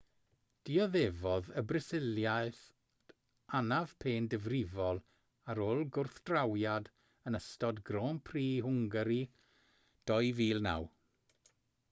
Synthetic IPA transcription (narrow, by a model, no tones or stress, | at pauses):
d̥iɔðevɔðəbrɪsɪljajθ | anav̥pʰeːndəvrɪvɔlˠ | aɾoːlˠɡʊrθd̥rawjad | ənəstɔdɡroːnpʰriːɦʊŋɡəɾi | d̥ɔjviːlˠna̰w